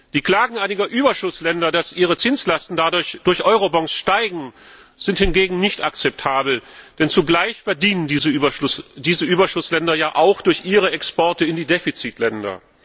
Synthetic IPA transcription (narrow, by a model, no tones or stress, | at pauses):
z̥iːkl̥aːɡŋ̩ʔaɪnɪɡɐʔyːbɐʃʊslɛndɐdasʔiːʁ̞ət͡sɪnslastn̩dadʊɐçd̥ʊɐçʔɔʏʁobɔŋksʃtaɪɡŋ̩ | z̥ɪnthɪnɡeːɡŋ̩nɪçtakt͡sɛp̚tʰaːbl̩d̥ɛnt͡suɡlaɪçfɛɐdiːnəndiːzəːbɐʊsd̥iːzəʔyːbɐʃʊslɛndɐjaːʔaʊxd̥ʊɐçʔiːʁ̞əɛkspɔɐtəɪndiːdefit͡sitʰlɛndɐ̰